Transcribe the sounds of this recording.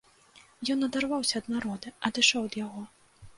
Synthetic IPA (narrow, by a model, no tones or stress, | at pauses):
jɔnɐd̪arvawsʲɐːd̪naɾɔd̪ɨɐd̪ɨʂɔwɐd̪jaɣɔ